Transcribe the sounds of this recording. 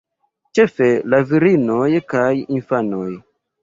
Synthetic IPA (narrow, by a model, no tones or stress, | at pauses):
t͡ʃe̞felaviɾinojkajinfanoj